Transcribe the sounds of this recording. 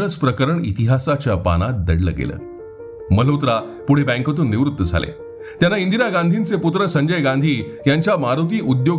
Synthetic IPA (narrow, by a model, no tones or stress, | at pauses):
ət͡spɾəkəɾəɳḭt̪iɦasat͡ɕjapa̰ñat̪̚d̪ə̰ɽlə̰ɡḛlə̰ː | məl̤ot̪ɾa | puɽ̤ebæ̃ŋkət̪uːnːiʋɾut̪ːəd͡zʱa̰lḛ | t̪janːaind̪inaɡãnd̪ʱint͡seput̪ɾəsəɲd͡ʑəjɡand̪ʱiː | jaɲt͡ɕjamaɾot̪̬iːʔud̪jo